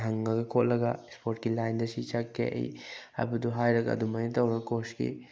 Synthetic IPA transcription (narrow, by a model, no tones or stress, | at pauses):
ɦɐŋːaɡɐkʰot̚lɐɡaspʰoɾt̚kilajndɐsit͡ʃakːḛʔḛjha̰buduɦajɾɐɡaɐ̰dumajnɐtɐwɾɐɡɐkoskḭ